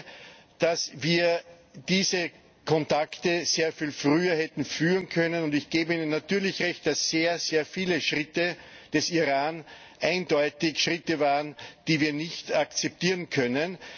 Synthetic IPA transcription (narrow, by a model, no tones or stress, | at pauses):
d̥asviːɐ | d̥iːzə | kʰɔntaktəz̥eːɐfiːlfʁyːɐhɛtn̩fyːʁənkʰœnənʊndɪçɡ̥eːbəiːnənːatyːɐlɪçʁɛçt̚d̥asːeːɐzeːɐfiːləʃʁɪtəd̥ɛsiʁaːn | ʔæ̃ɪndɔʏtɪçʃʁɪtəvaːʁənd̥iːviːɐnɪçtakt͡sɛp̚tiːɐʁənkʰœnən